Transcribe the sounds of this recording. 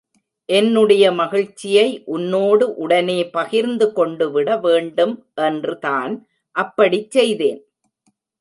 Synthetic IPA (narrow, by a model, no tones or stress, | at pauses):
ʔɛnːɯɽɐjɐmɐɣɪɻt͡ʃːɪjɐɪʔʊnːoːɽɯʔʊɽɐneːpɐɣɪɾnd̪ɯkɔɳɖɯʋɪɽɐʋeːɳɖɯm | ʔɛndrɯtaːn | ʔɐpːɐɽit͡ʃsɛjðeːn